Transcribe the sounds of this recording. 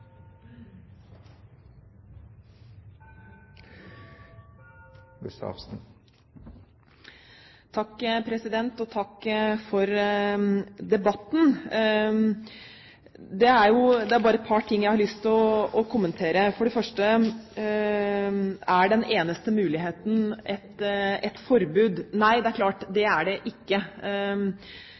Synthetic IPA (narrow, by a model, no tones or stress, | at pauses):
ɛsɑ̰sn | t̪ʰɑkːpʰɾɛsɪd̪ɛnt̪ɔt̪ʰɑkːfɔɾ | d̪ɛbɑt̪ːn̩ | d̪ɛæɾjʊd̪ɛæɾbɑːɾəɛt̪̚pʰɑʈʰɪŋːjæɪhɑɾɭʏst̪ɪɔɔkʰʊmːənt̪ʰeːɾəfɔɖɛfœʂʈə | æɖɛnʔeːnəst̪əmʉːlɪɦeːt̪n̩ʔɛt̪ɛt̪fɔɾbʉːd̪næɪd̪ɛæɾkʰlɑːʈd̪ɛæɖɛʔɪkːə